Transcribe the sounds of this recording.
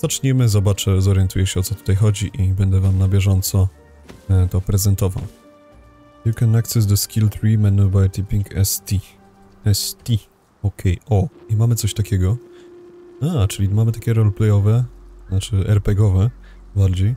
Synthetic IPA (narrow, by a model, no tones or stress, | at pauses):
z̥at͡ʂɲɛmɘzɔbat͡ʂɛzɔɾjɛnt̪ujɛɕɛɔt̪sɔt̪ut̪ajxɔd͡ʑiʔibɛnd̪ɛvamnabʲjɛʐɔnt̪sɔ | t̪ɔpɾɛzɛnt̪ɔva̰w | jukɛnaksɛs̬d̪əskʲʰilt̪ɾimɛnubajt̪ipʲiŋkʰɛ̰st̪i | ɛst̪i | ɔkʰɛjɔimamɘtsɔɕt̪akʲɛɡɔ | at͡ʂɘlʲimamɘt̪akʲɛɾɔlplɛjɔvɛnat͡ʂɘɛɾpɛɡɔvɛ | baɾd͡ʑej